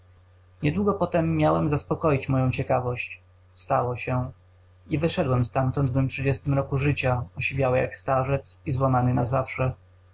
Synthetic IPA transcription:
ɲɛd̪wuɡɔpɔt̪ɛmːjawɛmzaspɔkɔjit͡ɕmɔjɔ̃w̃t͡ɕɛkavɔɕt͡ɕ | st̪awɔɕɛ | ivɘʂɛd̪wɛmst̪amt̪ɔnd̪vɛmtʂɘd͡ʑɛst̪ɘmɾɔkuʐɘt͡ɕaɔɕivʲjawɘja̰kst̪aʐɛt̪sizwamanɘnazafʂɛ

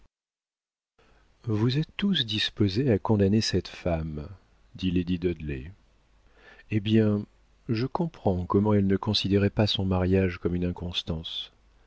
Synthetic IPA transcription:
vuzɛt̪ːusd̪ispozeakɔ̃d̪anesɛt̪fam | d̪iled̪id̪ɔd̪lɛ̰ | ebjɛ̃ | ʒəkɔ̃pχɑ̃kɔmɑ̃ɛlnəkɔ̃sid̪eʁɛpasɔ̃maʁjaʒkɔmynɛ̃kɔ̃st̪ɑ̃s

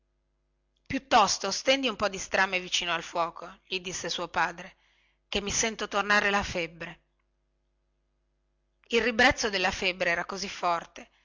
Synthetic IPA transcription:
pjut̪ːɔst̪ost̪ɛnd̪iumpɔd̪ːist̪ɾamevit͡ʃiːnoalfwɔːkʰoʎid̪isːesuopaːd̪ɾe | k̟emːisɛnt̪ot̪ornaːɾelafebːɾe | ilribɾɛt̪sːod̪elːafebːɾeɛːɾakozifːɔrt̪e

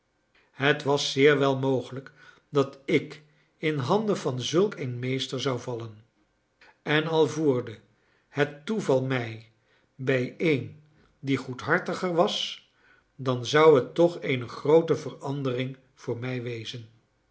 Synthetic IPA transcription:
hətʋɑsɪːɹʋɛlˠmowχələk | dɑtɪk | ɪnɦɑndəvɑnzɵlˠkenmejstəɹzɑwvɑlən | ɛnɑlˠvuːɹdə | hətːuvɑlˠmɛj | bɛjen | diχutɦɑɹtəχəɹʋɑs | dɑnzɑwɦətːɔχejnəχrowtəvərɑndərɪŋ | v̥ʊːɹmɛjʋejzən

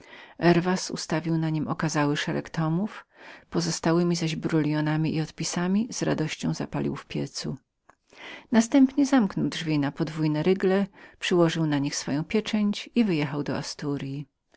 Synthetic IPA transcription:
ʔɛɾvasṵst̪avʲiwnaɲimʔɔkazawɘʂɛɾɛ̰kt̪ɔmufpɔzɔst̪awɘmʲizaʑbɾulʲjɔnamʲiʔiɔt̪pʲisamʲiz̥ɾa̰d̪ɔɕt͡ɕɔ̃w̃za̰palʲḭwfpʲjɛt̪sṵ | nast̪ɛmpɲɛzamknɔwdʐvʲinapɔd̪vujnɛɾɘɡlɛpʂɘwɔʐɘwnaɲixsfɔjɔ̃w̃pʲjɛt͡ʂɛɲt͡ɕivɘjɛxawd̪ɔast̪uɾji

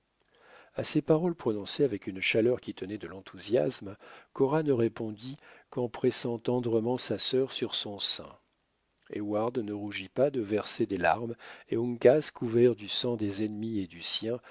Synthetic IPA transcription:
asepaʁɔlpχɔnɔ̃seavɛkʲynʃalœʁkʲit̪ənɛd̪əlɑ̃t̪ʰuzja̰smkɔʁanəʁepɔ̃d̪ikɑ̃pχɛsɑ̃t̪ɑ̃d̪ʁəmɑ̃sasœʁsyʁsɔ̃sɛ̰̃ | ḛwaʁd̪nəʁuʒipad̪əvɛʁsed̪ela̰ʁmeũŋkazkuvɛʁd̪ysɑ̃d̪ezɛnmied̪ysjɛ̃

